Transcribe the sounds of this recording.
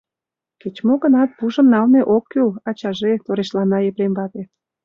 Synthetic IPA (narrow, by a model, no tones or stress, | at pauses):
ket͡ɕmoɣənɑt̪̚puʒəmnɑlneʔokːylɑt͡ɕɑʒet̪oɾeʃlɑnɑjepɾembɑt̪e